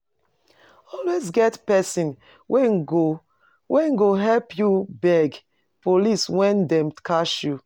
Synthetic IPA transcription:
ɔlwezɡɛtpɛsĩn | wɛnɡo | wʔɛ̃nɡoɦɛlpʰjubɛɡ | poliswɛ̃ndɛ̃mkʰaʃju

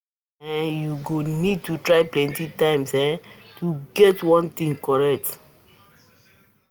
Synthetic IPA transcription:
ɛ̃njuɡonid̚tutɹajplɛ̃ntitãɪ̃msɛ̃tuɡɛtwɔ̃nt̪ĩŋkɔɹɛk̚t

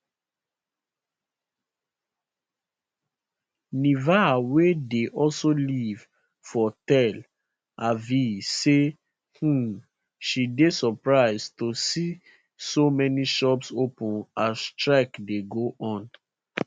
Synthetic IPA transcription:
nivawedeʔɔlsoliv | fɔtɛl | avise | hũ | ʃidesɔpɹaɪztosi | somɛniʃɔpsopũnastɹakdeɡoʔɔ̃n

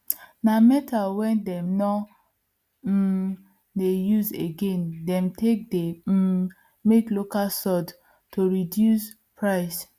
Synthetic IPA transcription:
namɛtawɛ̃ndɛmnɔ | dejuzeɡẽndɛ̃mtek̚de | meklokasɔd | toɹidjus | pɹaɪs

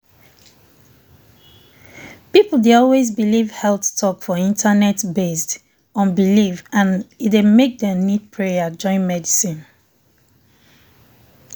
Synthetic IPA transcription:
pipl̩ˠdeɔlwezbilivhɛlθtʰɔkfɔĩntʰanɛtbest | ɔ̃nbilivãnidemek̚dɛnid̚pʰɹejəd͡ʒɔ̃ɪ̃nmɛdisĩn

